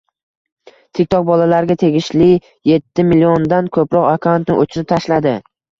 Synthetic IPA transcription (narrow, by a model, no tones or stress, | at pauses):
t̪ʰek̚ʲt̪ʰɒq̚bɒlalaɾɡʲat̪ʰe̞ɡʲɪʃlɪ | je̞t̪ʰːɪmɪliɒnd̪ankʰɵpɾɒqvakʰant̪nɪʔot͡ʃʰɾɪp̚t̪ʰaʃlad̪ɪ